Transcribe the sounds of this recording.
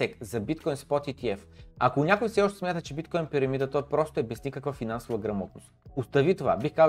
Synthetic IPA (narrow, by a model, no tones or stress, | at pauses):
ɛkzɐbit̪̚kɔjnspɔt̪it̪iɛf | ɐkonʲakʊjfsɛɔʃt̪ɛsmʲjat̪ət͡ʃɛbit̪kɔjnpiɾɐmid̪ət̪ɔjpɾɔst̪oɛbɛznʲikəkvafinansʊvɐɡɾɐmɔt̪̚nʊ̰st̪ʊst̪ɐvit̪ova̰bixkaz